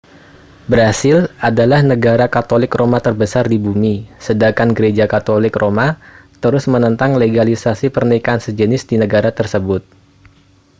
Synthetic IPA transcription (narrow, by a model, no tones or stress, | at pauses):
bəɾasɪladalahnəɡaɾakat̪olɪkromat̪ərbəsardibumisədakanɡəɾed͡ʒakat̪olɪkrʔomat̪əɾʊsmənənt̪aŋleɡalisasipərnaikansəd͡ʒənɪsdinəɡaɾat̪ərsəbʊt̪̚